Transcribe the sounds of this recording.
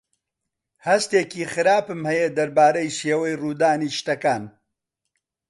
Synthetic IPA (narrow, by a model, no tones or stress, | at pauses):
hɐst̪eːkiːxɨɾaːpɨmhɛjed̪ɐɾbaːɾɐjʃeːwɐjruːd̪aːniːʃt̪ɐkaːn